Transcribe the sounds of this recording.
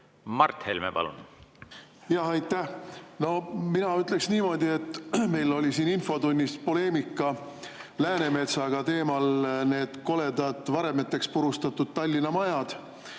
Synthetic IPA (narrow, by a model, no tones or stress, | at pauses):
mɑrt̪hḛlmḛpɑ̰lṵn | jɑɦɑjt̪ːˑæhno̞minɑyt̪ˑle̞ksniːmo̞d̪ʲie̞t̪ːˑme̞jlo̞lʲisiːninfo̞t̪unʲːispo̞le̞ːmikːˑɑ | læːne̞me̞t̪sɑɡ̥ɑt̪e̞ːmɑlne̞ːd̪̥ko̞le̞d̪ɑd̪̥vɑɾe̞met̪ːˑe̞kspuɾust̪ɑt̪ːud̪̥̚t̪ɑlʲːinɑmɑjɑd̪̥